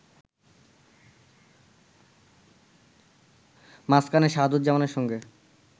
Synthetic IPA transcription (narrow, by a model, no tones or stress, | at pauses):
maskaneɾʃaɦd̪ut̪̚d͡ʑamaneɾʃɔŋɡe